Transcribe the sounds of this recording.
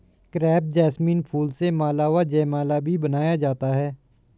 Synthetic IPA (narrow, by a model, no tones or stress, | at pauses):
kɾɛːp̚d͡ʒɛːsmĩːnpʰuːlsemaːlaːʋaːd͡ʒɛːmaːlaːbʱiːbənaːjaːd͡ʒaːt̪aːɦɛː